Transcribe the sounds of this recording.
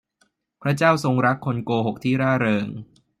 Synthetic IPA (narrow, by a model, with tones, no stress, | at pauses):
pʰɾa˦˥t͡ɕaː˥˩wso˧ŋɾa˦˥kʰːo˧nkoː˧ɦo˨˩k̚t̪ʰiː˥˩ɾaː˥˩ɾɤː˧ŋ